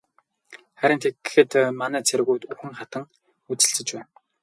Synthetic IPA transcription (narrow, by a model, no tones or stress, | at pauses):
χæɾʲɪ̆nt̪ʰekɘxɘ̆t̪manæːt͡sʰeɾɣuːt̪uxɘ̆ŋχat̪ə̆ŋ | ut͡sɘ̆ɮt͡sɘ̆t͡ɕpæːn